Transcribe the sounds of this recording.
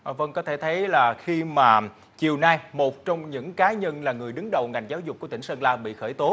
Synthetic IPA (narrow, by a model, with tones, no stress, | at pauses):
və˧nkɔ˨˦t̪ʰe˧˩t̪ʰə˨˦jlaː˨˩xi˧maː˨˩ | t͡ɕi˨˩əwnaː˧jmo˨˩t̚t͡ɕɔ˧wŋ͡mɲɨ̰˧˥ŋkaː˨˦ɲə˧nlaː˨˩ŋɨ˨˩əjɗɨ˨˦ŋɗə˨˩wŋa˨˩jŋ̟zaː˨˦wzʊ˨˩k͡p̚ku˧˩ət̪ï˧˩ŋsə˧nlaː˧ɓḭ˧˨xəː˧˩jt̪o˨˦